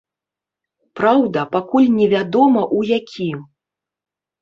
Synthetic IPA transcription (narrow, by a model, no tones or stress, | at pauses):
pɾawd̪ɐpakulʲnʲɛvʲad̪ɔmɐʔujakʲʰim